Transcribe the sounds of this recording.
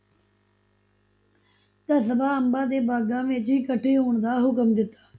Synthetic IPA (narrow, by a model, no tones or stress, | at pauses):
t̪əsəbʱaːəmbaːd̪eːbaːɡãːmẽːt͡ʃiːkəʈʰeːjoːɳd̪aːɦʊkəmd̪ɪt̪ḁː